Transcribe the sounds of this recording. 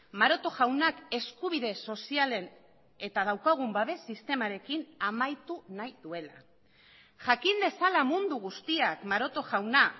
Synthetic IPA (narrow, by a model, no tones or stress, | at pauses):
maɾo̞t̪o̞ʝawnake̞skuβ̞iðe̞so̞siale̞n | e̞t̪að̞awkaɣ̞umbaβe̞sist̪e̞maɾe̞kinamajt̪unajðue̞la | ʝakind̪e̞salamund̪uɣ̞ust̪iakmaɾo̞t̪o̞ʝawna